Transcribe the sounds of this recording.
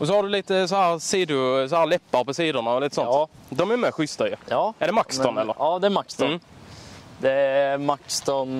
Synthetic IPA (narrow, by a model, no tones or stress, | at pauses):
ɔs̬ɔhaɖɵliːt̪əs̬ɔhæːɾsiːd̪ʊsɔhæːɾlɛpːaɾpɔsiːd̪əɳaɔliːt̪əsɔnt | d̪ɔmæɾmɛɧʏst̪aɪɑːæɖɛmaksɔnɛlːə̰ɾɑːd̪ɛæmakst̪mː | d̪ɛæmakst̪ɔn